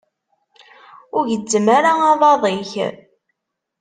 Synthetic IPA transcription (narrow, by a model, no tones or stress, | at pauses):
ʊɾʝədːəmaɾaɑðˤɑðˤiç